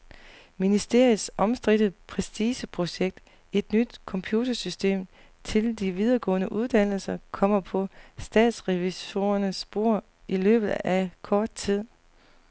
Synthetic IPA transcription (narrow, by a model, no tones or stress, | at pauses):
minisd̥e̝ɐ̰ið̩ˠsɒ̽msd̥ʁid̥əð̩ˠpʰʁɛsd̥iːsəpʰʁo̝ɕeɡ̥̚d̥ | e̝d̥nyd̥kʰɒ̽mpʰjuːt͡sʰɐsysd̥e̝̰ːm | t͡sʰe̝ld̥iʋiðˠɐːɡ̥ɔ̰̽ːnəʔuðˠd̥æn̰l̩sɐkʰɒ̽m̰ɐpʰɒ̽sd̥ɛ̰ːd̥sʁɛʋiso̝ːɐnəsb̥o̝ɐ̰ | ilø̰ːb̥ð̩ˠækʰɒːd̥̚t͡sʰið̞̰ˠ